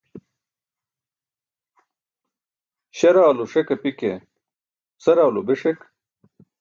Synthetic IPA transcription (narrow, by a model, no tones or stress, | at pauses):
ɕɐɾaːluʂekɐpike | sɐɾaːlobeʂek